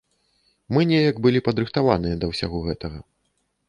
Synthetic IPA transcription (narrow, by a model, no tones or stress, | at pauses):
mɨnʲɛjɐkbɨlʲipɐd̪ɾɨxt̪avanɨjɐd̪ɐwsʲa̰ɣɔɣɛt̪ɐɣɐ